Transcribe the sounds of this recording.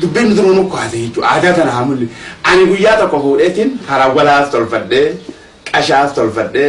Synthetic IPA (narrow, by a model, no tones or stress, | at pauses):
d̪ʊbːiːnːʊt̪ʊmɐnʊkːɔhasɛhɪt͡ʃːʊʔa̰ːd̪at̪ɐnahɐmʊlːɛʔɐnɪɡʊjːaːt̪ɔkːɔfuːᶑet̪ɪnhɐɾɐwɐlaːst̪ɔlfɐᶑːeː | kʼɐʃaːst̪ɔlfɐɗe